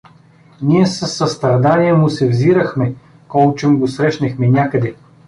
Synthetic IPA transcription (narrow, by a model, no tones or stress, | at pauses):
niɛsɐsːɐst̪ɾɐd̪aniɛmʊsɛvziɾəxmɛ | kɔlˠt͡ʃɛmɡosɾɛʃnɛxmɛnʲakəd̪ɛ